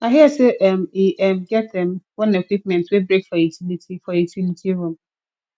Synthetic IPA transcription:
aɦɪɛsɛʔɛmiʔɛmɡɛt̚dɛ̃mwɔ̃nekʷwip̚mɛ̃ntwebɾekfɔitʰinitʰifɔitʰinitʰiɾõm

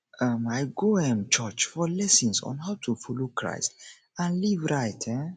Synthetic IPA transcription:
ʔamajɡoɛ̃mt͡ʃət͡ʃfɔlɛsĩnsɔ̰̃nɦawtʰufɔlokʰɹa̰jst | ãnlivɹajtʰɛ̃

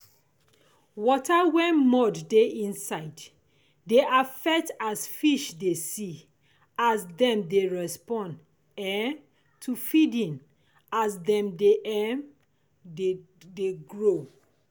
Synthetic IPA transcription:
wɔtʰawɛ̃nmɔdːeĩnsaɪd | deʔafɛk̚tasfiʃdesi | asdɛ̃mdeɹɛspɔ̃nd | ɛ̃n | tʰufidĩn | asdɛ̃mdeʔɛm | deɡɹo

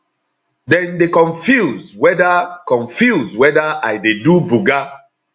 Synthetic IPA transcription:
dɛ̃ndekɔ̃nfjuzwɛdakɔ̃nfjuzwɛdaajdedubuɡa

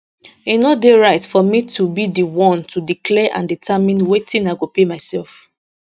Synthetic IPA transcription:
inodeɹaɪtfɔmitʰubidiwɔ̃ntudikʰlɛʔã̰nditʰamĩnwetĩnaɪɡopemaɪsɛlf

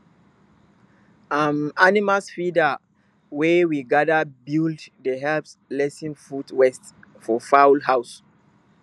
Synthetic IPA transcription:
amanimasfida | wewiɡadabilddəɦɛlpslɛsĩnfudwɛst | fɔfawlhaws

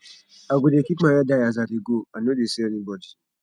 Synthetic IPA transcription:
aɡʷudekimajadajazaɾiɡoanodesenibɔd͡ʒi

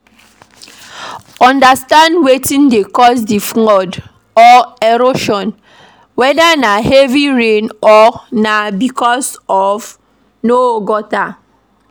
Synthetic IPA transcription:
ɔ̃ndastãndwetĩndekɔsdifŋɔd | ɔeɾoʃɔ̃n | wɛdanahɛviɹẽnɔnabikɔsɔv | noɡɔta

